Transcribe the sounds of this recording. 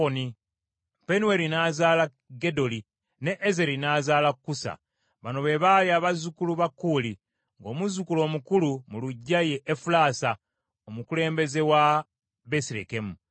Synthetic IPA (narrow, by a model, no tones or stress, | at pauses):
oni | pe̞nuwe̞ɾinaːzaːla | ɡe̞do̞li | ne̞ʔːzeɾinaːzaːlakkːusa̰ | βano̞βe̞βaːjjaβazukuluβakːuli | ŋɡo̞ːmuzukulo̞ːmukulumuluɟːaje̞ʔːfulaːsa | omukule̞ːmbe̞ze̞wa | besiɾḛkemu